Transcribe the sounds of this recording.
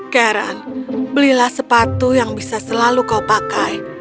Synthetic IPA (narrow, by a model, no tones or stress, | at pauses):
kaɾa̰nbəlihlahsəpat̪ujaŋbisasəlalukaupakaj